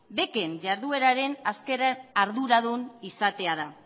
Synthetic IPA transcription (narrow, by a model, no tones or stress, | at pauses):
be̞ke̞nʝaɾðue̞ɾaɾe̞naske̞ɾaaɾðuɾaðunisat̪e̞aða